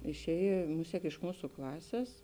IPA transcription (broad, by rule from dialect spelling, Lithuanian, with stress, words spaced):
ɪʃʲˈɛːj ˈmʊsʲiɛk ɪʃ ˈmuːsʊ ˈklˠɑːsʲeːs